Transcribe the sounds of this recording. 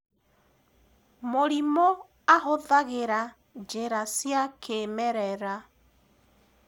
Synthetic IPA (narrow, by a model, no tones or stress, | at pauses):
moɾimɔ | ahoðaɣeɾa | d͡ʒeɾasjakʰemɛɾɛɾa